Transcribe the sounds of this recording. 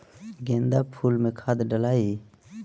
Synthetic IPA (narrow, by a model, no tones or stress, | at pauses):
ɡẽːnd̪aːpʰuːlmẽkʰaːd̪ɖəlaːiː